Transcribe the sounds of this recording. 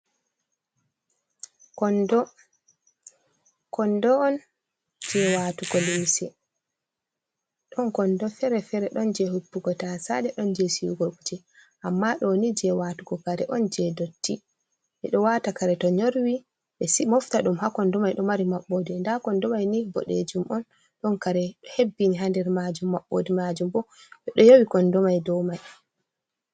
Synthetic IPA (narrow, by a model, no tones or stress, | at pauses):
kɔndɔ | kɔndɔːn | d͡ʒɛwatukɔlimsɛ | ɗɔnkɔndɔfɛɾɛfɛɾɛɗɔnd͡ʒɛhupːukɔtasa̰ɗɛɗɔnd͡ʒɛsiuɡokud͡ʒɛ | ʔamːaɗɔnid͡ʒɛwatukɔkaɾɛʔɔnd͡ʒɛdotːi | ʔɛ̰ɗɔwatakaɾɛtɔɲoɾwi | ɓɛsimɔftaɗumhakɔndɔmajɗɔmaɾimaɓːodindakɔndɔmajnibɔ̰ɗḛd͡ʒumʔɔn | ɗɔnkaɾɛhebːiniɦandɛɾmad͡ʒumːaɓːo̰dimad͡ʒumbɔ | ɓɛɗɔjowikɔndɔmajdɔmaj